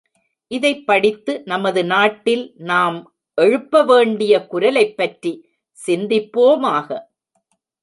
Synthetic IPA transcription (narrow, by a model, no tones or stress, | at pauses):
ʔɪðɐɪpːɐɽɪt̪ːɯnɐmɐðɯnaːʈːɪlnaːm | ʔɛɻɯpːɐʋeːɳɖɪjɐkʊɾɐlɐɪpːɐʈɾi | sɪnd̪ɪpːoːmaːɣɐ